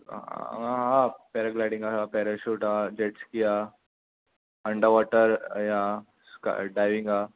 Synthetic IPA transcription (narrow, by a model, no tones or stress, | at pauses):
aɦɦãpɛɾaklajɽĩŋɡasapɛɾaɕuːʈad͡ʑeʈskija | əɳɖəɾʋɔʈəɾja | ska̰ɖajʋiŋɡa